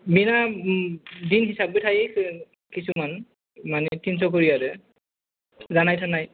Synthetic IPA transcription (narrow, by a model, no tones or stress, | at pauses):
bina | dinɦisabitʰaj | kisuman | manɛtʰins̬ɔk̬oɹijadɛ | zanajtʰanaj